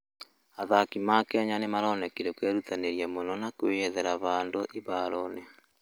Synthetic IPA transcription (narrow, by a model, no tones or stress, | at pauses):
aðakimakɛɲanemaɾɔnɛkiɾekwɛɾutaneɾiamonɔnakweɛðɛɾaβandoʔeβaɾɔne